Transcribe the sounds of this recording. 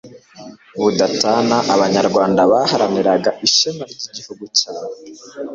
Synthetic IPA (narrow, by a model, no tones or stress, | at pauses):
βudataːnaʔaβaɲaɾɡwaːndaβahaɾaniɾaɡaʔiʃemaɾɟiɟihuɡucaːwe